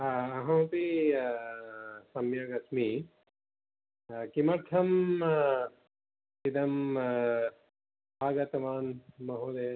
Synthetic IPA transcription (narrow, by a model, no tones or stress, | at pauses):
aɐɦɐ̃wpi | sɐmjɐɡɐsmi | kimɐɾt̪ʰɐm | id̪ɐm | aːɡɐt̪ɐmaːnmɐɦoːd̪e